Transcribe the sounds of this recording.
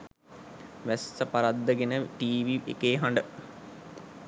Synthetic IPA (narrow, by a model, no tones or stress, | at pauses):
ʋæsːəpaɾad̪ːəɡenəʈiːʋiʔḛkeːɦaɳɖə